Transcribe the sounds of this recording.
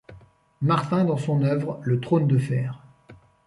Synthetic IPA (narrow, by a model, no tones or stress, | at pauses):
maʁt̪ɛ̃d̪ɑ̃sɔ̃nœvʁlət̪χond̪əfɛːʁ